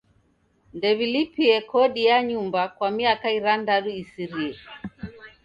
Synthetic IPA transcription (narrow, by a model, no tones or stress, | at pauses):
ndɛβilipiɛkɔɗijaɲumbakwamiakaiɾandaɗuisiɾiɛ